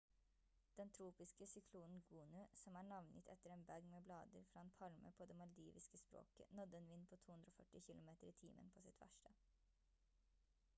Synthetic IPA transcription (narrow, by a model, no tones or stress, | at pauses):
d̪̥ɛnt̪ʰɾuːpɪskəsʏkʰluːnn̩ɡuːnʉsɔmæːɳɑʋnʔə̰t̪ʰɛ̰t̪əɾeːnbæɡmeːblɑːd̪əɾfɾɑːeːnpʰɑlmə̰pʰoːd̪eːmɑld̪iːʋɪskəspɾo̰ːkə̰nɔd̪ːəeːnʋɪnːpʰoːt̪ʰuːhʉnd̪ɾoːfœʈːɪçɪlʊmeːt̪əɾiːt̪ʰiːmʔə̰npʰoːsɪt̪ʰʋæ̰ʂʈə